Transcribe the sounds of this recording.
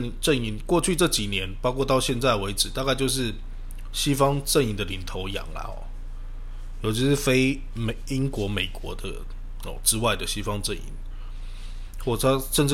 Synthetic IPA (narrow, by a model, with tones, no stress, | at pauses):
ʈ͡ʂə˥˨ni˨˧˩nkwɔ˥˧t͡ɕʰy˥˧ʈ͡ʂɤ˥˩t͡ɕi˨˩njɛ˧˦npɑ˥ʊkʰwɔ˥˧t̪ɑ˥˧ʊɕjɛ˥˧nt͡sa˥˩ɪwe˧˥ɪʈ͡ʂɻ̩˨˩t̪a˥˧ka˥˧ɪt͡ɕjo˥˧ʊʂ̬ɻ̩˥˩ | ɕi˥fɑ˥ŋʈ͡ʂə˥˩ni˧˩nd̪ə˨li˨˩nt̪ʰo˧˥ʊjɑ̰˨˩ŋlɐ̰˦ɔ̰˨˩ | jo˨˧ʊt͡ɕʰi˧˥ʂɻ̩˥˩fe˥ɪ | me˨i˥ŋkwɔ˧˥˦me˨˩ɪkwɔ˧˥d̪ə̰˧˨ | ɔ̰˨˩ʈ͡ʂɻ̩˥wa˥˩ɪd̪ə˩ɕi˥fɑ˥ŋʈ͡ʂə˥˨nḭ˨˩˦n | xwɔ˥˩t̪ʰa˥ʂə˥˧nʈ͡ʂɻ̩˥˩